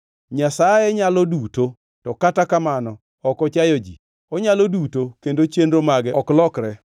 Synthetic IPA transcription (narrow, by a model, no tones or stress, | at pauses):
ɲasajeɲalɔduto | tɔkatakamanɔ | ɔkɔt͡ʃajod͡ʒḭ | ɔɲalodutokendot͡ʃendɾomaɡɛɔklɔkɾɛ